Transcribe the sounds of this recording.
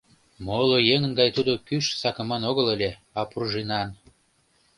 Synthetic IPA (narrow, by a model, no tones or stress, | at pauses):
molojeŋənɡɑjt̪ud̪okyʃsɑkə̆mɑnoɣələlʲeɑpruʒinɑn